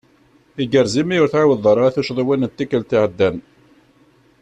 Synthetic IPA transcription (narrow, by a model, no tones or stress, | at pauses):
iɡəɾzimijʊɾθʕawəðˤəɾˤɑθuʃðˤwænət̪ːikːəlt̪iʕəd̪ːæn